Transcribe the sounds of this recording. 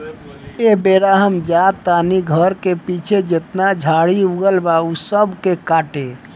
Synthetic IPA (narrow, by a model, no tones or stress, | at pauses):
ebeɾaɦəmd͡ʒat̪aniɡʱəɾkepit͡ʃʰed͡ʒet̪nad͡ʒʱaɽiuɡəlbausəbʱkekaʈe